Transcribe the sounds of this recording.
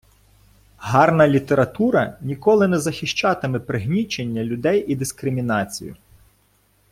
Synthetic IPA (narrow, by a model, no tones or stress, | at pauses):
ɦɑrnɐlʲit̪eɾɐt̪uɾɐnʲikɔlˠɪnɛzɐxʲɪʃt͡ʃɑt̪ɪmɛpɾɪɦnʲit͡ʃenʲːɐlʲʊd̪ɛjʔid̪iskɾɪmʲinɑt͡sʲḭjʊ̰